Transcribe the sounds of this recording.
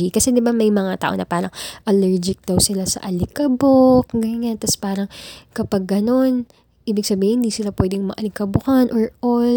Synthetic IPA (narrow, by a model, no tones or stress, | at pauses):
ikɐsɛd̪ɪbamɐjmɐŋat̪a̰ːʔo̞nɐ̰paːɾɐŋʔɐlɛɹd͡ʒɪk̚d̪̥ɐwsɪlasɐ̰ʔɐlɪkɐbokɡɐjɲant̪ɐspaːɾɐŋkɐpɐɡːɐno̞n | ʔiːbɪɡsɐbiːhɪhɪnd̪iːsɪlapwɛd̪ɪŋmɐʔɐlɪkɐbʊkɐnʔoɹʔol